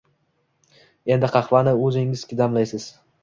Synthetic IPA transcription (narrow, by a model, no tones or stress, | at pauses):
e̞nd̪ɪqʰɑχvanɪɵzɪŋɪz̥kʲɪd̪amlajsɪz̥